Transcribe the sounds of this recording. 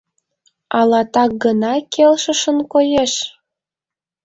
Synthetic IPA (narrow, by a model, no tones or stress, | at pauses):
ɑlɑt̪ɑk̚ɡənɑkʰelʃəʃənkojeʃ